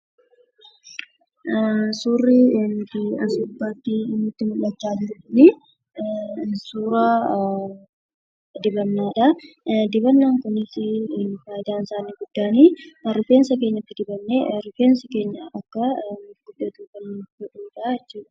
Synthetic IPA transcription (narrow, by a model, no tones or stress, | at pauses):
suːrːint̪ɪɐsʊbːaːt̪ːɪnːʊt̪ːɪmʊlːɐt͡ʃːaːd͡ʒɪɾʊniː | suːɾaː | d̪ɪbɐnːaːᶑɐ | d̪ɪbɐnːaːŋkʊnːɪsɪfaːjɪd̪aːnsaːnɪɡʊd̪ːaːniːɐɾʊfeːnsɐkeːɲːɐt̪ːɪd̪ɪbɐnːeɾʊfe̞ːnsɐke̞ːɲːɐʔɐkːɐɡʊd̪ːɐt̪uːkɐnɡɔᶑuːᶑɐɪt͡ʃːuːᶑɐ̥ɐ̥